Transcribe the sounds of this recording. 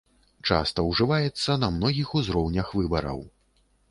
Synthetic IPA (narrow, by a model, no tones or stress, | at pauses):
t͡ʂa̰st̪ɐwʐɨvajɛt̪sːɐnɐmnɔɣʲixuzɾɔwnʲɐxvɨbɐɾɐ̰w